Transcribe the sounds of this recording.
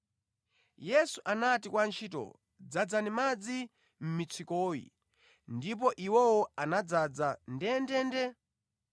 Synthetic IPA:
jɛsuʔanatikwant͡ʃʰiːtɔ̰ | d͡zad͡zanimad͡zi | m̩mit͡sʰikɔːjḭ | ndip̬ɔʔiwɛwɔanad͡zad͡zandɛndɛndɛ

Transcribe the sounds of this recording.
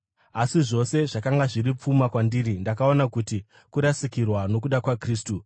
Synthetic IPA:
asiʐo̞se̞ʐakaŋɡaʐirip͡fumakwandiːɾindakao̞nakuti | kuɾasikirwano̞kuɗakwakriːstu

